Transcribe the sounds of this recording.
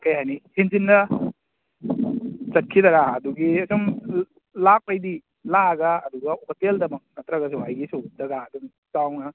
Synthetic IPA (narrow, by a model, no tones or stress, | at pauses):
kɐjɦajnihinzinːɐ | zɐt̚kʰidɐɾaɐduɡiɐsum | lak̚pajdi | laɡaːd̪uɡɐoteldɐmɐk̚nɐtɾɐɡɐsuɦajɡisudɐɡaːdum | tawnɐ